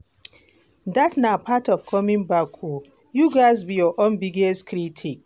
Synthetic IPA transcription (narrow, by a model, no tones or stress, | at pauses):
datnapʰatɔfkʰɔmĩnbakʰu | juɡaɪzbijɔʔõnbiɡɛstkʰɾitʰik